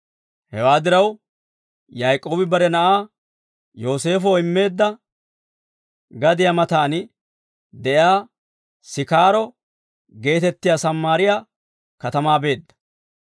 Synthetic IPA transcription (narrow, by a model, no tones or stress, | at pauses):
hɛwaːd̪ɪɾɐw | jajkʼːo̞ːbɪbɐɾɛnɐʔaː | jo̞ːse̞ːfɔɪmːe̞ːd̪ːɐ | ɡɐd̪ɪjɐmɐt̪aːnɪ | d̪ɛʔjaː | sɪkaːɾɔ | ɡe̞ːt̪ɛt̪ːɪjaːsɐmːaːɾɪjaː | kɐt̪ɐmaːbe̞ːd̪ːɐ̥